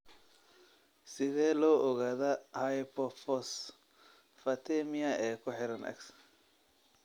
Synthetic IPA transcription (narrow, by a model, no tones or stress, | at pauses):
sɪðɛːlɔːʔɔɣaːðɐhɐjpʰɔfɔs | fɐt̪ʰɛmɪjɐʔɛːkʰʊħɪɾɐnʔɐ̰ks